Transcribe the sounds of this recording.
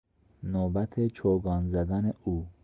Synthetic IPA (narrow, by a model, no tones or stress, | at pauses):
nobæt̪ʰet͡ʃʰoɡɒːnzæd̪æneuː